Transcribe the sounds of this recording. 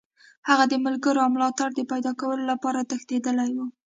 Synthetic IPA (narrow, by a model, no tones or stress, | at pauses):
haɣad̪əmʊlɡəɾoawmlɑt̪aɽd̪əpajd̪ɑkawəlolapɑɾat̪əxt̪ed̪əlajwu